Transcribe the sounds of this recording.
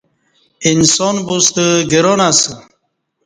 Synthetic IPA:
insɔnbust̪əɡiɾonasə

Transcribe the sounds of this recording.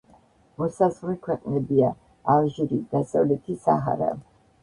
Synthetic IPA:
mɔsazʁlɛkʰwɛqʼnɛbiaː | vʒiɾid̪̥asavlɛt̪ʰisa̰ɦa̰ɾa̰

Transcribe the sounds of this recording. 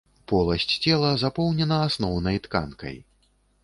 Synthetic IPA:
pɔlˠɐsʲt͡sʲt͡sʲɛlˠɐzapɔwnʲɛnɐasnɔwnɐjt̪ka̰nkɐ̰j

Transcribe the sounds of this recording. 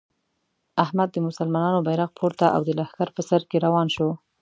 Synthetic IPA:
ahmad̪ːəmʊsalmɑnɑnobajɾaq̚pʰoɾt̪aʔa̰wd̪əlahkaɾpəsaɾkeɾawɑnʃo

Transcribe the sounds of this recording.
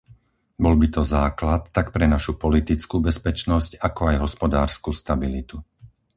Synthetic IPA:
bɔlbit̪ɔzaːklat̪ːakpɾɛnaʃupɔlit̪it͡skuːbɛspɛt͡ʃnɔscakɔajɦɔspɔd̪aːɾskust̪abilit̪u

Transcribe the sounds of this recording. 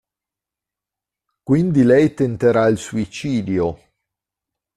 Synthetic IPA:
kwind̪ilɛjt̪ent̪eɾailsuit͡ʃiːd̪jo

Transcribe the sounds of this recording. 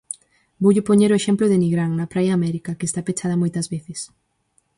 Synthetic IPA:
bowʎopoɲeɾoeʃemploðeniɣɾaŋnɐpɾajaːmɛɾikakest̪apet͡ʃað̞ɐmojt̪ɐzβeθɪs

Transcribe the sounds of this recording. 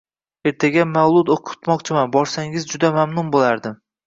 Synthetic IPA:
e̞ɾt̪ʰaɡʲamawlˠʊd̪oqʰʊ̥t̪mɒqt͡ʃʰɪmanbɒɾsaŋɪzd͡ʒʊd̪amamnʊnbolaɾd̪ɪm

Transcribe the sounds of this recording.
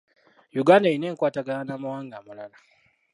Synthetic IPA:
juɡanaineŋkʷwataɡɐanamawaŋɡamalala

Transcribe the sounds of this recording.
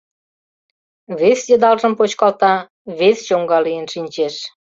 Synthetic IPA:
βesjəd̪ɑlʒə̆mpot͡ɕkɑlt̪ɑ | βest͡ɕoŋɡɑlijənʃinʲt͡ɕeʃ

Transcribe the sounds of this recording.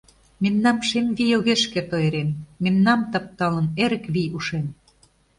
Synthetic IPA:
menːɑmʃemʲvijoɣeʃkĕt̪oeɾenːenːɑmt̪ɑp̚t̪ɑlə̆neɾɘ̆kβiuʃen

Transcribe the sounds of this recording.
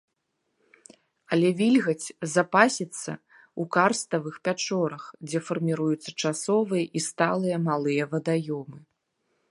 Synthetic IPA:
ɐlʲɛvʲilʲɣɐt͡sʲzapasʲit̪sːɐ̰ | ukarst̪ɐvɨxpʲat͡ʂɔɾɐxd͡zʲɛfɐrmʲiɾujut̪sːɐt͡ʂasɔvɨjɐʔist̪alˠɨjɐmalˠɨjɐvɐd̪ajɔmɨ

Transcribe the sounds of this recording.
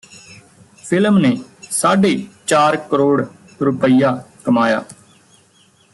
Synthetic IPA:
pʰɪlmneːsaːɖeːt͡ʃaːɾkəɾoːɽ | ɾʊpəijaːkəmaːja̰ː

